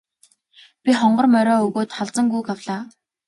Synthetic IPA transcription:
pʲiχɔɴɢɞ̆rmœɾɔːɵɣoːt̪χaɮt͡sə̆ŋɡujkawɮaː

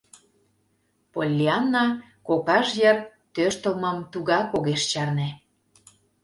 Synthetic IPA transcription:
polʲːiɑnːɑ | kokɑʃjər | t̪øʃt̪əlməmt̪uɣɑkoɣeʃt͡ɕɑrne

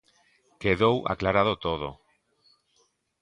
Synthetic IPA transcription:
keðowʔa̰klaɾaðot̪oð̞o̰

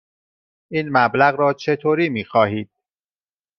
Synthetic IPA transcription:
ʔiːnmæblæɣɾɒːt͡ʃʰe̞t̪ʰoːɾiːmiːxɒːhiːd̪̥̚

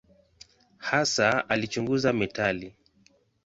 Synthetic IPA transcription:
hasaalit͡ʃuŋɡuzamɛtali

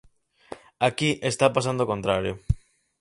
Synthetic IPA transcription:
akiʔest̪apas̬and̪okont̪ɾaɾjo̰

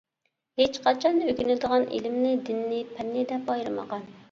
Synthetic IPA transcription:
het͡ʃqʰɑt͡ʃʰɑnøkʲynɪd̪əʁɑnʔḛlɪmnɪd̪ɪnːɪpʰɛnːɪd̪ɛpɑjɾɨmə̰ʁɑn

